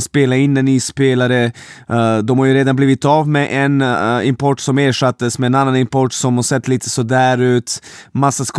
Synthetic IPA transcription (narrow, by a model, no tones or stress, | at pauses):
speːlaɪnːanɪspeːlaɾə | d̪ɔmhaɾjɵɾeːd̪anbliːvɪt̪ːavmɛʔɛnɪmpʰɔʈːsɔmeːʂat̪ːəsmɛːnanːanɪmpɔʈːsɔmhaʂɛt̪ːliːt̪ʰə̥sɔd̪æːɾʉ̟ːt̪masːask